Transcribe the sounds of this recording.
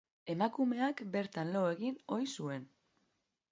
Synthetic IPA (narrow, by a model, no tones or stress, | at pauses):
e̞makume̞akbe̞ɾt̪anloe̞ɣino̞jsue̞n